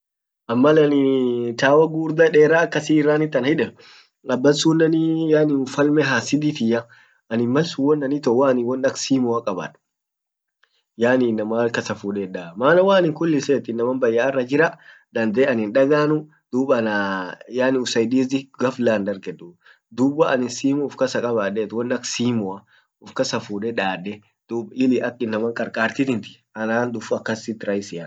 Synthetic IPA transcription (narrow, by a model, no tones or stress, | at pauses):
ʔɐmːɐlɐnɪt̪aːwɐɡuːɾd̪ɐᶑeːɾaːkːɐsiːrːaːnɪt̪ːɐnhɪᶑɛ | ʔɐbːɐnsunːɐnijaːnɪfɐlmɛɦaːsɪd̪iːt̪ɪjɐ | ɐnɪmmɐlsʊwɔnːɐnit̪ɔwaːnɪwɔnɐksiːmɔɐkʼɐba̰ːᶑʊ̥ | jaːninːɐmalkɐsɐfuːᶑɛᶑaːmaːnɐwaːnɪŋkʊlːɪseːt̪ːɪnːɐmɐmbɐjːaːrːɐd͡ʒɪɾɐ | d̪ɐnd̪eːɐnɪnᶑɐɡaːnʊ | d̪̥uːbɐnjaːnɪʊsɐjd̪iːzɪɡɐflaːnd̪ɐɾɡɛd̪u | d̪uːbɐɐnɪnsiːmʊːfkɐsɐkʼɐβaːɗɛt̪wɔnɐksiːmɔɐ | ʊfkɐsɐfuːᶑɛᶑaːᶑːɛ | d̪̥uːbɪlɪʔɐkːɪnːɐmɐŋkʼɐɾkʼaːɾt̪ɪt̪ɪnt̪ɪ̥ | ɐnaːnd̪ʊfɐkːɐsɪt̪ːɪɾɐjɪsɪjɐ